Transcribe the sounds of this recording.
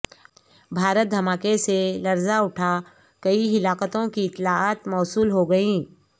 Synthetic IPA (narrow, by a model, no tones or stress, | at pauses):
bʱaːɾət̪̚d̪ʱɐmaːkeselɐɾzaʊʈʰa | kɐiɦɪlaːkət̪õkiɪt̪ːlaaːt̪mɔːsuːlɦoɡɐĩː